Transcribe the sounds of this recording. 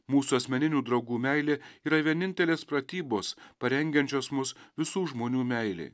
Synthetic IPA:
muːsuɐsʲmʲɛnʲɪnʲuːd̪ɾɒʊɡuːmʲɛɪlʲeiːɾɐʋʲiɛnʲɪnʲt̪ʲɛlʲeːspɾɐt̪ʲiːboːspɐɾʲɛŋʲɡʲɛnʲt͡ʃʲoːsmʊsʋʲɪsuːʒmoːnʲuːmʲɛɪlʲḛː

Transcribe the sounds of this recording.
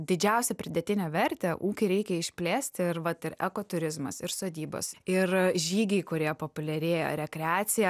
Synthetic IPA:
d̪ʲɪd͡ʒʲɛʊsʲɛpʲɾʲɪd̪ʲɛt̪ʲɪnʲɛʋʲɛɾʲt̪ʲɛʔuːkʲɪɾʲɛɪkʲɛɪʃʲpʲlʲeːsʲt̪ʲɪɪɾʋɐt̪ɪɾɛ̰koːt̪ʊɾʲɪzmɐ̰sɪɾsoːd̪ʲiːbo̰sɪrʒʲiːɡʲɛɪkʊɾʲiɛpoːpʊlʲɛɾʲeːjo̰ɾʲɛkɾʲɛɑːt̪sʲɪjɛ

